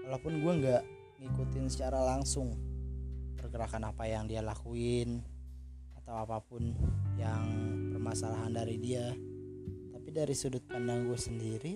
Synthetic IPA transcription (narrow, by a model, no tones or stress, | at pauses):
walawpʊnɡuaŋɡaʔ | ŋikut̪ɪnsə̥t͡ʃaɾalaŋsʊŋ | bərɡəɾakanapajaŋdialakuɪn | at̪awapapʊnjaŋpərmasalaɦandaɾidia | t̪apidaɾisudʊt̪̚pandaŋɡuasəndiɾi